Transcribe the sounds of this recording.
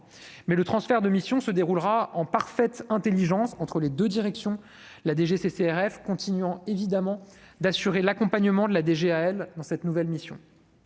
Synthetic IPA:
mɛlət̪χɑ̃sfɛʁd̪əmisjɔ̃səd̪eʁulʁaɑ̃paʁfɛt̪ɛ̃t̪eliʒɑ̃sɑ̃t̪χəled̪ød̪iʁɛksjɔ̃ | lad̪eʒeseseɛʁɛfkɔ̃t̪inɥɑ̃evid̪amɑ̃d̪asyʁelakɔ̃paɲəmɑ̃d̪əlad̪eʒeaɛld̪ɑ̃sɛt̪nuvɛlmisjɔ̃

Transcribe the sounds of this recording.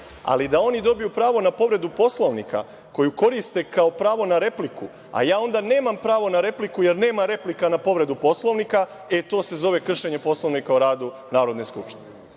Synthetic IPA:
a̰lid̪ao̞nid̪o̞bijupɾaːʋo̞napo̞ʋɾe̞d̪upo̞slˠoʋnika̰ | ko̞juko̞ɾist̪e̞kaopɾaːʋo̞naɾe̞pliku | a̰jaːo̞nd̪ane̞ːmampɾaːʋo̞naɾe̞plikuje̞ɾne̞ːmaɾe̞plikanapo̞ʋɾe̞d̪upo̞slˠo̞ʋnika | et̪o̞ːse̞zo̞ʋe̞kr̩ʃe̞ɲepo̞slˠo̞ʋnikaoɾaːd̪u | naːɾo̞d̪ne̞skupʃt̪ine

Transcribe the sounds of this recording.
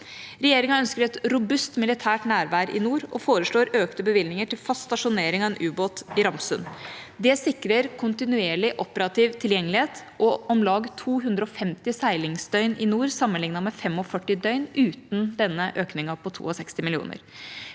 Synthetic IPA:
ɾɛjeːɾɪŋɑœnskəɾɛt̪ɾʊbʉst̪mɪlɪt̪ʰæːʈnæːɾʋæːɾʔɪ̰nuːɾɔfoːɾəʂɭoːɾøːkt̪əbəʋɪlnɪŋəʈɪlfɑst̪t̪ɑʂʊneːɾɪŋɑɛnʔʉːboːt̪ɪɾɑmsʉ̰nd̪ɛsɪkɾəɾkʰʊnt̪ɪnʉeːɭɪʔɔpəɾɑt̪ʰiːʋt̪ʰɪljɛŋːəlɪheːt̪ | ʔɔʔɔmlɑːɡt̪ʰuːɦʉnd̪ɾəɔfɛmt̪ɪsæɪlɪŋsd̪œʏnɪnuːɾsɑmːənlɪŋnɑmɛfɛmːɔfœʈːɪd̪œʏnʉːt̪n̩d̪ɛnːəʔøːknɪŋɑpʰɔt̪ʰṵːɔsɛkst̪ɪmɪlɪṵːnə̰ɾ

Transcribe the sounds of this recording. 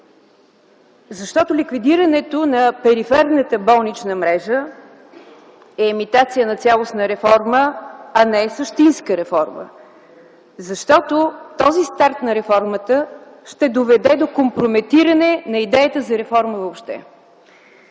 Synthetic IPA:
zɐʃt̪ɔt̪ʊlʲikvid̪iɾənɛt̪onɐpɛɾifɛɾnət̪əbɔlˠnit͡ʃnəmɾɛʒə | ɛːmit̪at̪sijənɐt̪sʲalˠosnəɾɛfɔɾməɐnɛɛsəʃt̪inskəɾɛfɔɾmə̰ | zɐʃt̪ɔt̪ot̪ɔzist̪aɾt̪nɐɾɛfɔɾmət̪ə | ʃt̪ɛd̪ovɛd̪ɛd̪okompɾomɛt̪iɾənɛnɐid̪ɛjət̪əzɐɾɛfɔɾməvopʃt̪ɛ̰

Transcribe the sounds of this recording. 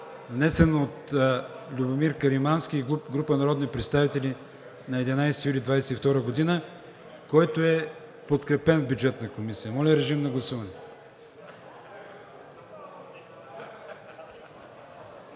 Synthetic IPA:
vnɛsɛnoot̪ | lʲubomiɾkɐɾimansk̟iɡˠupɡɾupənɐɾɔd̪nipɾɛt̪st̪avit̪ɛlʲi | nɐɛd̪inajsɛ̥t̪ijulʲid̪vajsɛift̪ɔɾəɡod̪inə | kɔjt̪oɛ | pot̪kɾɛpɛnvbʲjud͡ʒɛt̪nɐkomisijəmɔlʲəɾɛʒimnɐɡlˠɐsuvɐnɛ

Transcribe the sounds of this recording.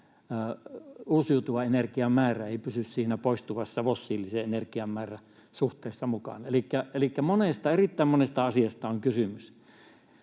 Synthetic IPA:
uːsiut̪uʋɑenerkiɑmmæːræeˑipysyssiːnæpoˑist̪uʋɑsːɑʋosːiːlːiseenerkiɑmmæːræ | suht̪ˑeːˑisːɑmukɑ̰nelikːæelikːæmonest̪ɑerit̪ːæˑimmonest̪ɑɑsiɑst̪ɑoŋkysymys

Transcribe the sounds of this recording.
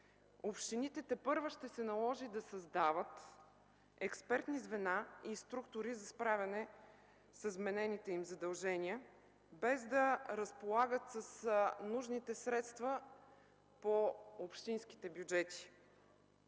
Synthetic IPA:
opʃt̪init̪ɛt̪ɛpɤɾvoʃt̪ɛsɛnɐlˠɔʒid̪ɐsɐzd̪avət̪ | ɛkspɛɾt̪nizvɛnaist̪ɾukt̪ʊɾizɐspɾavʲɐnɛ | səzmɛnɛnit̪ɛimzɐd̪ɐlˠʒɛnʲiə | bɛzd̪ɐɾəspolˠaɡət̪səsnuʒnit̪ɛsɾɛt̪st̪və | poopʃt̪inski̥t̪ɛbjud͡ʒɛt̪i̥

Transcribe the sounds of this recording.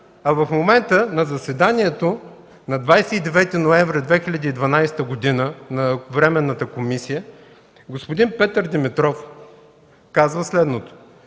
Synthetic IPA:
ɐvɐfmomɛnt̪ənɐzɐsɛd̪aniɛt̪o | nɐd̪vajsɛid̪ɛvɛt̪ɛnoɛvɾɐd̪vɛxilʲɐd̪iːd̪vɐnajst̪əɡod̪inənɐvɾɛmɛnːət̪əkomisijə | ɡospod̪inpɛt̪əɾd̪ɛmɛt̪ɾɔf | kazvəslɛd̪not̪o̥

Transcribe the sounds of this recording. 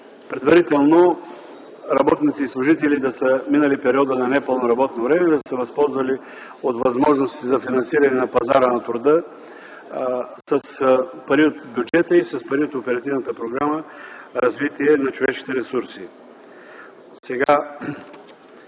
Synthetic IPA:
pɾɛd̪vɐɾit̪ɛlˠno | ɾɐbɔt̪nit̪siːslˠʊʒit̪ɛlid̪ɐsəminəlipɛɾiɔd̪ənɐnɛpəlˠnoɾɐbɔt̪novɾɛmɛd̪ɐsəvɐspɔlˠzvɐli | ot̪vɐzmɔʒnost̪izɐfinɐnsiɾɐnɛnɐpɐza̰ɾənɐt̪ɾʊd̪ə | səspɐɾiot̪bʲjud͡ʒɛt̪əisəspɐɾiot̪opɛɾɐt̪ivnət̪əpɾoɡɾaməɾɐzvit̪iɛnɐt͡ʃovɛʃki̥t̪ɛɾɛsuɾsi | sɛɡa

